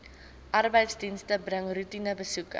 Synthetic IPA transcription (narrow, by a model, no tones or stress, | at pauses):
ʔɐrbəjtsdinstəbrəŋrutinəbəsukə